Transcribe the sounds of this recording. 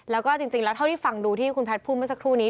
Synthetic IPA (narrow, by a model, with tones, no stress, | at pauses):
lɛː˦˥wkɔː˥˩t͡ɕi˧ŋt͡ɕi˧ŋlɛː˦˥wt̪ʰa˥˩tʰiː˥˩fa˨˩ŋduː˧t̪ʰiː˥˩kʰu˧npʰɛ˦˥t̚pʰuː˥˩ma˥˩sa˦kʰɾuː˥˩niː˦˥